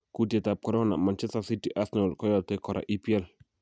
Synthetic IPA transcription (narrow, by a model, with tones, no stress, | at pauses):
ku˨te˨ta˨p̚kɔ˨ɾɔ˦na̰˨ma˨nt͡ʃɛ˦sta˨si˦ti˨ʔa˦snɔ˨lkɔ˦jɔ˨tɛ˨kɔ˨ɾa̰˨ʔi˦pi˦ɛ˦˨l